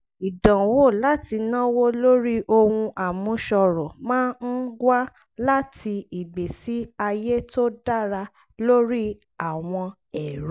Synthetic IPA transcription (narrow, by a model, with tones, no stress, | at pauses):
i˨dã˨wo˦˨la˦ti˧nã˦wo˦lo˦ɾi˦ʔo˧wũ˧ʔa˨mũ˧˦ʃɔ˧ɾɔ˨mãː˦n̩˦ɡwa˦ | la˦ti˧i˨ɡ͡be˨si˨˦a˧je˦to˦da˦ɾa˧ | lo˦ɾi˦ | a˨w̃ɔ̃˧ | ɛ˨ɾu˦